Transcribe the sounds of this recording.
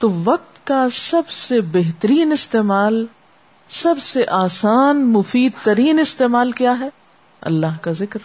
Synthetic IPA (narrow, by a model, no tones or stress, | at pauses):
t̪oʋɐq̚t̪kasɐbsebɛɦt̪əɾiːnɪst̪eːmaːl | sɐbseʔaːsaːnmʊfiːd̪̚t̪ɐɾiːnɪst̪eːmaːlkijaːɦɛː | ɐ̰lːaːɦkazɪkɾ